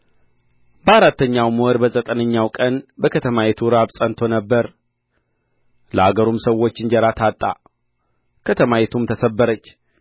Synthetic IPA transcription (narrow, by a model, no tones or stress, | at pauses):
bəaɾat̪ːəɲːawmuəɾbəzʼət̪ʼənəɲːawkʼənbəkʰət̪ʰəmajet̪ʰuɾabsʼənt̪ʰo̞nəbːəɾ | ləaɡəɾumsəwːo̞t͡ʃːɪnd͡ʒəɾat̪ʰat̪ʼːa̰ | kʰət̪ʰəmajet̪ʰumt̪ʰəsəbːəɾət͡ʃː